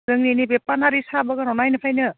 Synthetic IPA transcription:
zɯŋninibepanaɾisabaɡanɔnajnɯpʰajnɯ

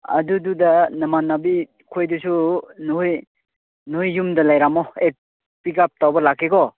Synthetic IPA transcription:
ɐ̰dududɐnɐmanːabi | kʰojdusunuhuj | nuhujːumdɐlajɾamɔe | pikap̚tawbɐlakʰːeɡɔ

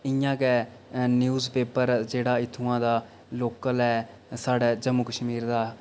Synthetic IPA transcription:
ɪjãːkɛː | njuːzpeːpəɾd͡ʒeːɽaːɪt̪ʰːuːãːd̪aː | loːkəlɦɛː | saːɖɛːd͡ʒəmːukəʃmiːɾd̪aː

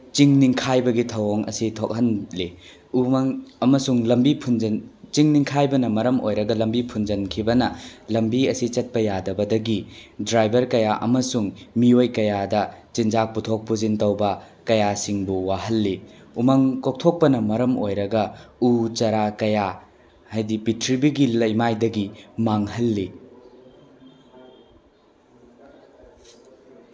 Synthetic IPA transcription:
t͡ʃiŋniŋkʰajbɐɡitʰɐwoŋɐ̰sitʰok̚hɐnli | umɐŋɐmɐsuŋlɐmbipʰund͡ʒɐnt͡ʃiŋniŋkʰajbɐnɐmɐɾɐmojɾɐɡɐlɐmbipʰund͡ʒɐnkʰibɐnɐlɐmbiɐsit͡ʃɐt̚pɐjadɐbɐdɐɡidɾajbɐɾkɐjaʔɐ̰mɐsuŋmiojkɐjadɐt͡ʃind͡ʒak̚putʰok̚puzintɐwbɐ | kɐjasiŋbuwaɦɐlːi | umɐŋkok̚tʰok̚pɐnɐmɐɾɐmojɾɐɡɐut͡ʃɐɾakɐja | hajdipitʰɾibiɡilɐjmajdɐɡimaŋhɐlːi

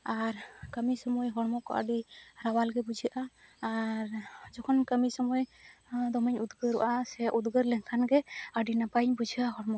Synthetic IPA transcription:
aɾkəmisɔmɔjɦɔɽmɔkɔ̰ʔə̰ɖiɾawalɡɛbud͡ʒʱiaʔaː | ɾd͡ʒɔkʰɔnkəmisɔmɔjd̪ɔməɲud̪ɡəɾṵʔasɛʔud̪ɡəɾlɛŋkʰanɡɛəɖinapajɲbud͡ʒʱiaɦɔɽmɔk

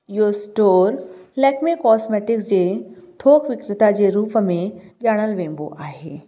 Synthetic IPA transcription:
josʈoːɾlɛːkmekɔːsmeːʈɪksd͡ʑeːt̪ʰoːkʋɪkɾɪt̪ad͡ʑeːɾuːpəmẽʄaːɽ̃əlʋẽːmbo̰ʔaːɦeː

